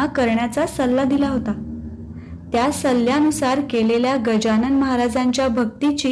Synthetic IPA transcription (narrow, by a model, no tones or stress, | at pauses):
akəɾɳjat͡sasəlːad̪ilaɦot̪a | t̪jasəlːjanusaɾkeleljaɡəd͡ʑanənməɦaɾad͡zaɲt͡ɕjabʱəɡt̪it͡ɕiː